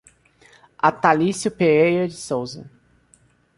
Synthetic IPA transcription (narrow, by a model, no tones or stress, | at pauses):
at̪alisjʊpeejɐd͡ʒɪsowzɐ̰